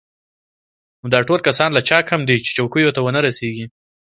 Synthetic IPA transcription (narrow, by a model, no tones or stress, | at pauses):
nod̪ɑʈolkasɑnlat͡ʃɑkhamd̪it͡ʃe̥t͡ʃawkujot̪awənaɾaseɡi